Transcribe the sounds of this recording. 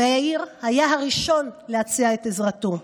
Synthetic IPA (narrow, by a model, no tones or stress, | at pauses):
eaiʁhajaɦaʁiʃo̞nlehat͡siaetezʁato̞